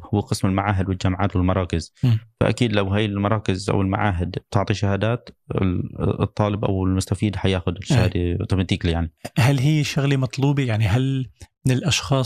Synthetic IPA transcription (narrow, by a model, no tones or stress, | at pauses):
hʊwːqɨsmɪlmaʕaːɦɪd̪wɪld͡ʒamʕa̰ːt̪wɪlmɑɾˤɑːkɪzfa̰ʔa̰kiːd̪lawɦaːjɪlmɑɾˤɑːkɪzʔa̰wɪlma̰ʕaːɦɪd̪b̚t̪ɪʕt̪ˤiʃahaːd̪aːt̪ɪ̰t̪ˤːɑːlɪbʔa̰wɪlmʊst̪afiːd̪ħajaːxʊd̪ɪʃahaːd̪at̪ɑmt̪iːklijaʕnihalːɦɪjːʃʊɣlimɑt̪ˤluːbijaʕniɦalmɪnɪlʔɑʃxɑː